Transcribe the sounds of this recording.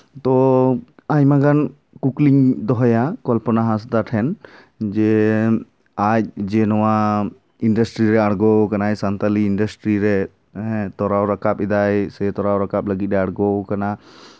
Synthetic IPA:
t̪ɔ | aɲmaɡan | kukliŋd̪ɔɦɔjakɔlpɔnaɦasd̪aʈʰɛn | d͡ʒɛ | ac̚d͡ʒɛnɔwa | inɖəsʈɾiɾɛaɽɡɔkanajsant̪aliːnɖəsʈɾiɾɛ | ɦɛ̃t̪ɔɾawɾakapɛd̪ajsɛt̪ɔɾawɾakap̚ləɡit̪̚ɾɛaɽɡɔkana

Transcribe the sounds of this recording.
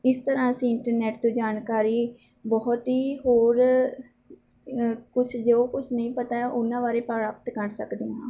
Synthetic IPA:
ɪst̪əɾãːəsĩːɪɳʈəɾnɛːʈt̪ũːd͡ʒaːnkaːɾiː | bɔːt̪ɦiːɦoːɾ | kʊt͡ʃʰd͡ʒeoːkʊt͡ʃʰnəĩːpət̪aːʔʊnːãːbaːɾeːpəɾaːpət̪kəɾsəkd̪eːɦãː

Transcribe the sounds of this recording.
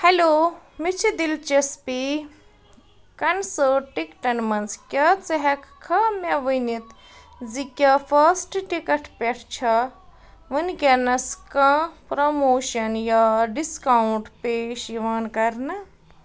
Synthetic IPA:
heloːmit͡ʃʰid̪ilt͡ʃɐspi | kɐnsəʈikʈɐnmɐnskʲjɐt͡sɐɦɐkkʰːɐmʲɐʋunit̪ | zikʲɐfɐsʈʈikɐʈpʲɐʈʰt͡ʃʰɐ | ʋɨnkʲɐnɐskɐ̃pɾomoːʃɐnjaɖiskauɳʈpeːʃiʋaːnkɐɾnɐ

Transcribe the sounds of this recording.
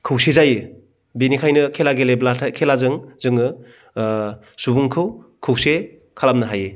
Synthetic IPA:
kʰɯwsezajɯ | binikʰajnɯkʰelaɡeleblakʰelazɯŋzɯŋɯ | subuŋkʰɯwkʰɯwse | kʰalamnɯɦajɯ

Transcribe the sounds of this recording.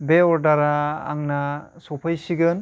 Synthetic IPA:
beɔɾdaɾa̰ːŋnasɔpʰajsiɡɯn

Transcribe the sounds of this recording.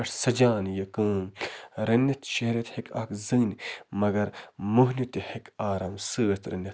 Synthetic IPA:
ɐʂsɐd͡ʒaːnjɐkɨ̃ːmɾɐnːɐt̪ʃɐɦɾɐt̪hikʰɐ̰kzɨːnʲmɐɡɐɾmuɦnit̪ihekaːɾɐːmsɨːt̪ɾɐ̰njɐt̪

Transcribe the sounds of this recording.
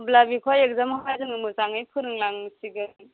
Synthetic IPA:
blabikʰwajek̚zamaajzɯŋɯmɯsaŋɯjpʰɯɾɯŋlaŋsiɡɯ

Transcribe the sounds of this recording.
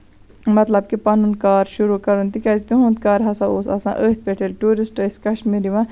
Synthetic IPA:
mɐt̪lɐb̚kipɐnunkaːɾʃuɾukɐɾunt̪ikʲɐst̪uɦũnd̪̚kaːɾɦɐsãoːsɐ̰sã̰ʔəːt̪̚ʰpeʈʰelʈuːɾisʈəskɐʃmiɾiʋã

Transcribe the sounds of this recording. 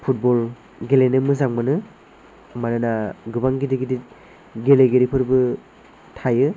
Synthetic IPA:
pʰut̚bɔl | ɡelenɯmɯzaŋmɯnɯ | maɾɯnaɡɯbaŋɡidiɡidit̚ | ɡeleɡeɾipʰɯɾbɯ | tʰajɯ

